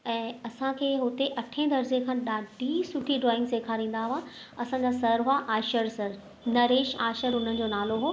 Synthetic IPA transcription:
ɛ̃ːɐsãkʰeːɦʊt̪eʔɐʈʰẽd̪ɐɾd͡ʑekʰãːɗaːɖʱisʊʈʰiɖɾɔːɪ̃ŋɡseːkʰaɾĩːn̆d̪aːɦʊʋã | ɐsãːɲd͡ʑasɐɾɦʊaʔaːʃəɾsɐɾ | nɐɾeːʃaːʃəɾʊn̤ənɪ̆d͡ʑoːnaːloɦoː

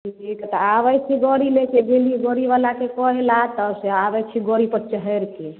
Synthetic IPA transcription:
ieket̪ɔaβɛt͡ʃʰiɡɔɾilekʰeɡeliɡɔɾiβalakekɔɦelat̪ɔseabɛt͡ʃʰiɡoɾipəɾt͡ʃəɦɛɾke

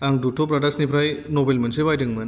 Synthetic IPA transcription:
aŋɡduʈʰopɾaʈaksnipɾajnobelm̤ənseβajʈəŋɡmən

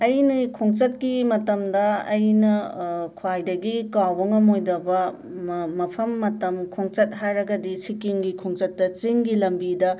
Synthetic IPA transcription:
ɐjnɐkʰoŋt͡ʃɐt̚kimɐtɐmdɐɐjnɐkʰuajdɐɡikawbɐŋɐmojdɐbɐ | mɐpʰɐmːɐtɐmkʰoŋt͡ʃɐt̚ɦajɾɐɡɐdisikiŋɡikʰoŋt͡ʃɐt̚ːɐt͡ʃiŋɡilɐmbidɐ

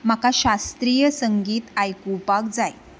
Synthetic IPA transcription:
m̤akaɕast̪ɾijəsəŋɡiːt̪ajkupakd͡zaj

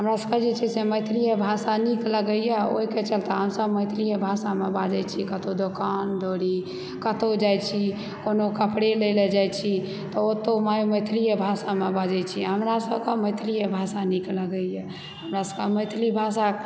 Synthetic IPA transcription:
ɦəmɾasəbkəd͡ʒet͡ʃʰisemət̪ʰɾijebʱasanikləɡəjɛo̰ɦiket͡ʃəlt̪aɦəmsəbməjt̪ʰɾijebʱasamebad͡ʒɛt͡ʃʰikət̪od̪okand̪oɾi | kət̪od͡ʒajt͡ʃʰi | konokəpɽeleled͡ʒajt͡ʃʰi | t̪ɔot̪omajuməjt̪ʰɾijebʱasamebad͡ʒɛt͡ʃʰiɦəmɾasəbkeməɪt̪ʰɾijebʱasanikləɡəjɛ | həmɾasəbkeməɪt̪ʰlibʱasa

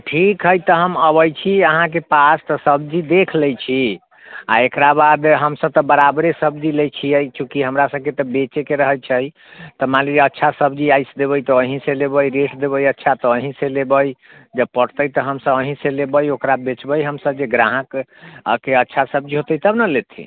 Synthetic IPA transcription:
ʈʰikɦəjt̪ɔɦəməbəjt͡ʃʰiəɦãk̬epast̪ɔsəbd͡ʒid̪ekʰləjt͡ʃʰi | aekɾabad̪ɦəmsəb̚t̪ɔbəɾabɾesəbd͡ʒilejt͡ʃʰiəjt͡ʃʰukiɦəmɾasəb̚ket̪ɔbet͡ʃekeɾəɦəjt͡ʃʰəj | t̪ɔmaliətːʃʰasəbd͡ʒiajsd̪eβəjt̪ɔəɦĩselebəjɾeʈd̪eβəjətːʃʰat̪ɔːɦĩsẽlebəj | d͡ʒəb̚pəɽ̤t̪əjt̪ɔɦəmsəbəɦĩselebəjokɾabet͡ʃbəjɦəmsəb̚d͡ʒeɡɾãɦə̃kkeətːʃʰasəb̚d͡ʒiɦot̪əjt̪əbnəlet̪ʰḭ

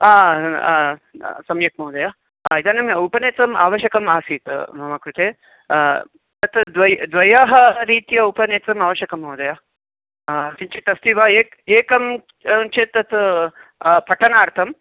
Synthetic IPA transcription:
aː | sɐmjɐk̚mɐwd̪ɐja | it̪aːnɐmupɐneːt͡sɐma̰ːʋɐʃɐkɐmaːsiːt̪mɐmakɾut̪eː | t̪ɐt̪ʰd̪ʋɐjd̪ʋɐjaɦɐɾiːt̪ijɐupɐneːt͡sɐmaːʋɐʃjɐkɐmɐwd̪ɐjaː | siɲt͡ʃit̪ɐst̪iʋaeːk | eːkɐm | t͡ʃet̪ːɐt̪ʰ | pʰɐʈʰɐnaːɾt̪ʰɐm

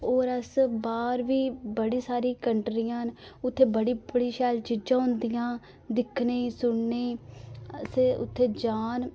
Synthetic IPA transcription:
oːɾəsbaːɾʋiːbəɽiːsaːɾiːkəɳʈɾijãːnʊt̪ʰːeːbəɽiːbəɽiːʃɛːlt͡ʃɪd͡ʒãːʊ̃nd̪ɪjãː | d̪ɪkʰneːiːsʊɳneiː | seːʊ̰t̪ʰːeːd͡ʒaːn

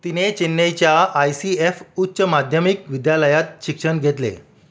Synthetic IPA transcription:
t̪inet͡ɕinːəjt͡ɕjaːjsiefutːɕəmad̪ʱjəmikʋid̪jaləjat̪̚ɕikʂəɳɡʱet̪lḛ

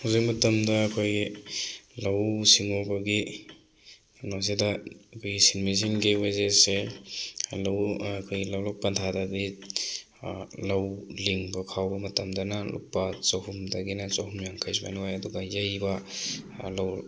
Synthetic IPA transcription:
huzik̚mɐtɐmdɐːkʰoj | lawsiŋobaɡi | nozedakʰojɡisinmis̬iŋɡewezese | lawkʰojɡlawlɔk̚pantʰadaɡi | lɐwliŋbɐkʰawbɐmɐtɐmdɐnalṵk̚pat͡ʃahumdɐɡinɐt͡ʃaɦumjaŋkʰajsba̰nuwajɐduɡajajbɐ | law

